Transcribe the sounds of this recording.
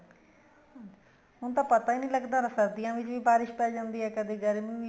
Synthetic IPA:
ɦʊnt̪ãːpət̪aːiːnĩːləɡd̪aːɾəsəɾd̪ijãːʋɪt͡ʃʋiːbaːɾɪʃpɛːd͡ʒãːnd̪iːɦɛːkəd̪eːɡəɾmiːʋ

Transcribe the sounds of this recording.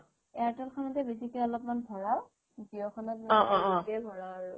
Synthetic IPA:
ɛatɔlkʰɔnɔtɛbesikɛɔlɔpmanbʱɔɹaw | tiɔkʰɔnɔtbɔ̃ʔɔkɛbʱɔɹawʊ

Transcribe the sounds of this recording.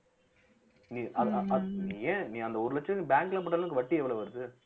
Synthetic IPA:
niːʔɐðɐniːẽːnĩːɐnd̪ɐɔɾɯlɐt͡ʃːɐbaːŋklãːp̬ɔʈːɐlɐɯkːɯʋɐʈːiɛʋːɐɭoʋɐɾɯðɯ

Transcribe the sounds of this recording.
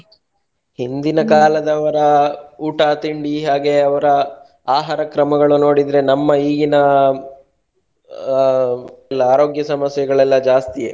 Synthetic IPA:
hind̪inɐkaːlɐd̪ɐʋɐɾɐuːʈaːt̪iɳɖiɦaːɡe̞ɐʋɐɾɐ | aːɦaːɾɐkɾɐmɐɡɐɭuno̞ːɽid̪ɾe̞nɐmːɐiːɡinɐ | ɛlːɐaːɾo̞ːɡjɐsɐmɐsjɐɡɐɭɛlːɐd͡ʒaːst̪ijḛ

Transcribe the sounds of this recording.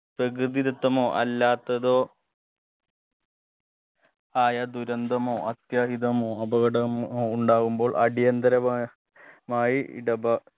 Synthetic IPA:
prɐk̬ɾɨðiɾut̪ːɐmoːʔɐ̰lːaːt̪ːɐðoː | aːjɐd̪uɾɐnd̪ʱɐmoːʔɐt̪jaːɦiðɐmoːɐbɐɣɐɽɐmoːuɳɖaːɣumbo̞ːɭʔɐɽijɐnd̪ɐɾɐ | maːjḭɽɐbɐ

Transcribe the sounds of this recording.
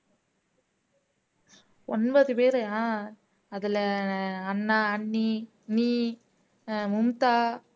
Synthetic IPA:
ɔnbɐðɯpeːɾɐjãː | ɐðɪlɐɐnːaːɐɳːi | niː | mʊmt̪aː

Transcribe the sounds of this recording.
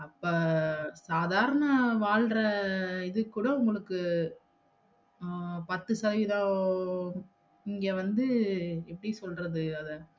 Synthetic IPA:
ɐpːoːsaːðaːɾɐnɐʋaːɭɾɐɪðɯkːuɽɐʊŋɡɐɭɯkːɯ | pɐt̪ːɯsɐðɐʋiðãː | ɪŋɡeːʋɐnd̪ɯɛpːɐɽɪsɔlrɐðɯɐðɐ

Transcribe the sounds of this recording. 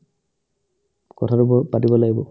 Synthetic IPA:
kɔtʰatupɔpatibɔlaɡibɔ

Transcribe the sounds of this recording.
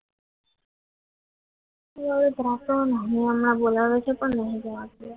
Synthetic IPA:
eəʋed̪ʱɾakõnəɦĩəmɳabolaʋet͡ʃʰɛpəɳnəɦĩd͡ʒəʋak

